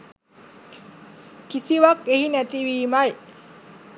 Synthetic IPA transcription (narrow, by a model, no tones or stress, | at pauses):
kʰisiwak̚ehinat̪iwiːmaj